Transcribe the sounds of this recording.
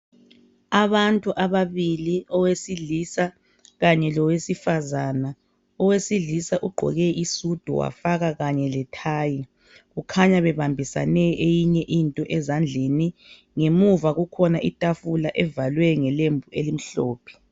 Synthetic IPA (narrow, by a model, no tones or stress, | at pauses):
aβantʼuʔaβaβiliɔwesiɮisa | ɣaɲɛlɔwesifazana | ɔwesiɮisaʔuɡ͡ǃʱɔ̰ɣɛʔisud̥ʱṵwa̰faɣaɣaɲɛlɛtʰaːji | ɣukʰaɲaβɛβambʱisa̰nɛʔejiɲɛʔintʼɔʔɛzand͡ɮʱeni | ŋemuvaɣukʰɔnaʔitʼafulaʔɛvalwɛŋɛlembʱuelim̩ɬoːpʰɛ̥